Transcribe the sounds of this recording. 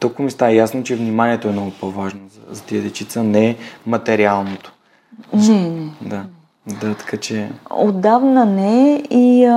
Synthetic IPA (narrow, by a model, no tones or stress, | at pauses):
t̪ɔkʊmist̪aɛjasnot͡ʃɛvnimaniɛt̪oɛmnɔɡʊpovaʒnozɐzɐt̪iəd̪ɛt͡ʃit̪sənɛmɐt̪ɛɾialˠnot̪o̥ | nɛnɛd̪a | d̪at̪ɐ̥kat͡ʃɛod̪avnənɛi